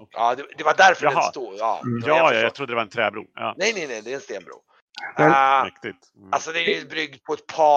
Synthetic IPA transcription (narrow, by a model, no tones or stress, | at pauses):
ʔɑːd̪ɛd̪ɛvaɖ̪æɾfœɾst̪uːɑ̰ːjɑːjɑjɑt̪ʰɾʊd̪ːəd̪ɛvaɾɛnt̪ʰɾɛ̰ːbɾṵːjɑ̰ːnɛjnɛjnɛjd̪ɛɛnst̪eːnbɾṵː | ɛmɛkt̪ɪt̪ | alsɔd̪ɛɾjbɾʏɡ̚d̪̚pʰɔɛt̪̚pʰɑ